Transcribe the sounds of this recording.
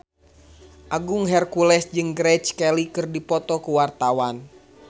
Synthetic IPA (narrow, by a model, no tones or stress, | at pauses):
ʔaɡuŋɦɛrkulɛsd͡ʒɨŋɡɾɛt͡ʃkɛlikɨrdipɔt̪ɔkuwart̪awan